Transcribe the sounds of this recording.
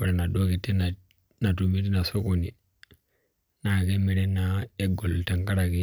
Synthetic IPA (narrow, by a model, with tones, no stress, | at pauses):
u˨ɾe˨na˨do˦ki˨tːe˦na˨ | na˨tu˨mi˦t̬i˦na˨so˦ko˨ni˨ | na˨ke˦mi˨ɾe˦na˦e˦ɡo˨lta˨ŋka˦ɾa˨ki˦